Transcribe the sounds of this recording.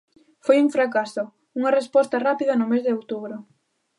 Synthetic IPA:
fojuŋfɾakasʊ | uŋɐrespɔst̪ɐrapiðɐnʊmezðɪowt̪uβɾʊ

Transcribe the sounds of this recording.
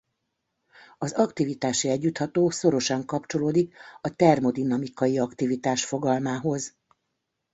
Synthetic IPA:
ɒzɒkt̪ivit̪aːʃiɛɟːut̪hɒt̪oːso̞ɾo̞ʃɒŋkɒpt͡ʃo̞loːd̪ikɒt̪ɛrmo̞d̪inɒmikɒjiɒkt̪ivit̪aːʃfo̞ɡɒlmaːɦo̞z

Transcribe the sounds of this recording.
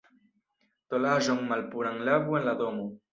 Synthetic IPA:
t̪olaʒoŋmalpuɾaŋlaβwenlad̪omu

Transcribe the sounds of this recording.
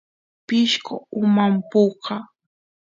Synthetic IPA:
pɪʃkoʊmampoqɑ

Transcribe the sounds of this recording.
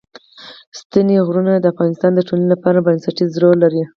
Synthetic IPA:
st̪ineɣɾunad̪əafɣɑnɪst̪ɑnd̪əʈolanilapɑɾabansaʈizɾolaɾi

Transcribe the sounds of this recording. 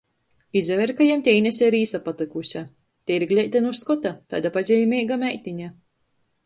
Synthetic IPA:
izʲɛvʲɛɾkajemt̪ʲeinʲɛsʲɛɾiːsapat̪ˠɨkusʲa | t̪ʲeiɾɡlʲɛjt̪ʲɛnusskɔt̪at̪a̰jd̪apazʲɛjmʲejɡamʲæjt̪ʲiɲa

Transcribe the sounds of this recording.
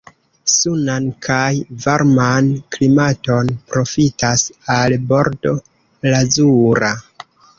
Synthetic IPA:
sunankʰajvaɾmanklimato̞npɾo̞fitasalbo̞ɾdo̞ | lazuɾa

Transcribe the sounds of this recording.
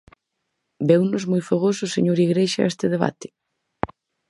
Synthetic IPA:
bɛwnʊzmojfaɣosʊsḛɲoɾiɣɾeʃa̰ʔɛst̪ɪðeβ̞a̰t̪ɪ̥

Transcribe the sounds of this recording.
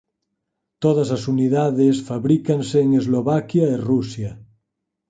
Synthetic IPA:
t̪oð̞azasuniðaðesfaβɾikanseːŋezloβakjaerusja

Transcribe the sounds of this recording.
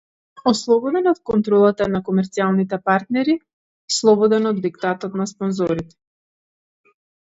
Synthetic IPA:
ɔslˠɔbɔd̪ɛnɔt̪̚kɔnt̪ɾɔlˠat̪anakɔmɛɾt̪sialˠnit̪ɛpaɾt̪nɛɾi | slˠɔbɔd̪ɛnɔd̪ːikt̪at̪ɔt̪naspɔnzɔɾit̪ɛ̥

